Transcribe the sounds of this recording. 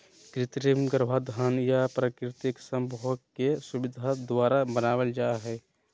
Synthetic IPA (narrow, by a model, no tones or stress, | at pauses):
kɾɪt̪ɾimɡəɾbʱad̪ʱaːnjapɾəkɾɪt̪ɪksəmbʱɔɡkesʊbɪd̪ʱad̪waːɾabənaːwəld͡ʒaːɦɛː